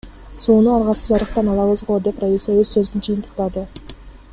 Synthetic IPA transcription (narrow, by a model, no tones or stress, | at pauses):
sunəɑɾʁɑsəʒɑɾəqt̪ɑnɑlˠɑwəzʁod̪e̞pɾajisewɵzsɵzɪnd͡ʒɯjənt̪ʰə̥qt̪ɑd̪ə